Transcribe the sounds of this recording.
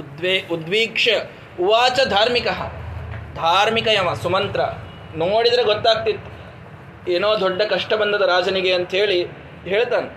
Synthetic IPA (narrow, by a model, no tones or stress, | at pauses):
d̪ʋeːud̪ʋiːkʂɐ | uʋaːt͡ʃɐd̪ʱaːɾmikɐɦɐ̰d̪ʱaːɾmikɐjɐmɐsumɐnt̪ɾɐ | noːɽid̪ɐɾeɡot̪ːaːɡ̚t̪it̪ː | eːnoːd̪ɔɖːɐkɐʂʈɐbɐnd̪ɐd̪ɐɾaːd͡ʒɐniɡeɐnt̪ɐɦeːɭi | ɦe̞ːɭt̪aːne